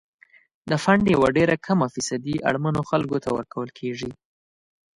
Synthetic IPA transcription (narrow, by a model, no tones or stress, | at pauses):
d̪əfaɳɖjawaɖeɾakʰamafisad̪iʔa̰ɽmanoxalɡot̪awəɾkawəlkʰeʐi